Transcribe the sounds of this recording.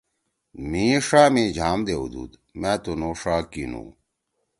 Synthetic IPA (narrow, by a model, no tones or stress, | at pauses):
mĩʂaːmĩːd͡ʑʱaːmd̪eṵd̪ṵd̪ | mæ̃ːt̪unoːʂaːkinṵ̃